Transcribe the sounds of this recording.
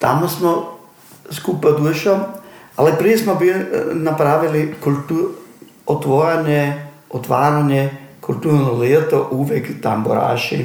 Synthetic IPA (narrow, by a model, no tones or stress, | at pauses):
t̪amosmo | skuːpad̪uʃoalipɾiesmobilnapɾaːʋilikult̪u | ot̪ʋoɾaɲe | ot̪ʋaːɾaɲekult̪uːɾnolet̪oʔuːʋjekt̪ambo̰ɾa̰ːʃḭ